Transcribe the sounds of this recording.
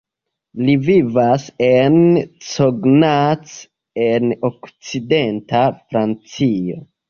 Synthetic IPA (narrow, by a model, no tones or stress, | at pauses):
livivase̞nsoɡnat͡s | enokt͡side̞ntafɾant͡sio̰